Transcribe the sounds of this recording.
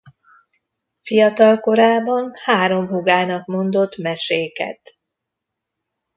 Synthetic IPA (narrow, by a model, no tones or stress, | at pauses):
fijɒt̪ɒlko̞ɾaːbɒnhaːɾo̞mɦuɡaːnɒkmo̞nd̪o̞t̪ːmɛʃeːkɛ̰t̪